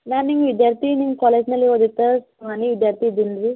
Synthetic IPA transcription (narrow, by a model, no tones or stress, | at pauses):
laɾniŋɡʋid̪jaɾt̪inĩŋkɔled͡ʑnaliʋod̪it̪əs | aniʋid̪jaɾt̪ʰid̪inɾi